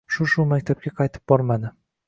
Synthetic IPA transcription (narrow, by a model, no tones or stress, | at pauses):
ʃʊʃʊmakʲt̪ʰap̚kʲaqʰɑjt̪ʰɪ̥p̚bɒɾmad̪ɪ